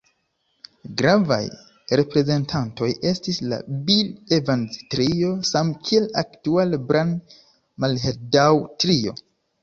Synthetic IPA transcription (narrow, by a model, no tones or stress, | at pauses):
ɡɾava̰j | ɾe̞pɾe̞ze̞ntʰanto̞je̞stisla̰bilevanztɾio̞samkʰie̞laktualbɾʔan | malɦeɾdawtɾio̞̰